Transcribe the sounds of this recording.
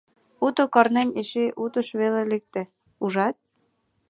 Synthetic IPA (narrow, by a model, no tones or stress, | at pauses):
ut̪okɑrnemeʃeʔut̪ə̆ʃβelelek̚t̪ĕ | uʒɑt̪̚